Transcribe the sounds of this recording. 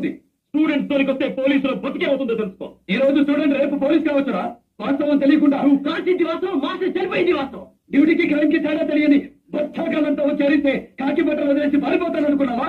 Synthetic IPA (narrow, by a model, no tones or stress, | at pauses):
d̪i | sʈuːɖeɳʈsd̪oːnikost̪e̞ːpoːliːsuloːbʱot̪ːikeːɐwt̪und̪ot̪elusu̥ko̰ːiːɾo̞ːd͡ʒusʈuːɖeɳʈɾeːpupoːliːskaːʋɐt͡ʃːuɾaː | ʋaːt̪ɐʋɐnt̪elijɐkuɳʈaːukaːɾt͡ʃind̪iʋaːsɐʋɐmaːʂɐt͡ʃɐlipɐjind̪iʋaːst̪ɐʋɐ | ɖiːʈiːkikɾɐjmkit͡ʃɐjɽaːt̪elijɐni | bʱɐt̪̚t͡ʃʰaːk̬ɐlɐnt̪ɐʋɐt͡ʃeːɾist̪e̞ːkaːkibɐʈːɾɐmɐd̪ɐleːsibʱɐːɾipɔːt̪aːnɐnukunːɐmaː